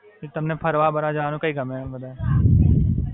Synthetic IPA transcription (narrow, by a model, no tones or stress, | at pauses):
ɪt̪ɐmnepʰɐɾʋabɐɾad͡ʒaːnõkɐikɐmẽbɐd̪aː